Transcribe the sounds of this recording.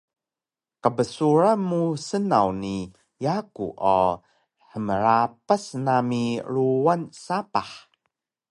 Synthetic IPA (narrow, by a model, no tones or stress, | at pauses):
kəbəsuɾamusənawni | jakṵʔa | ħəməɾapasnamiɾuwansapaħ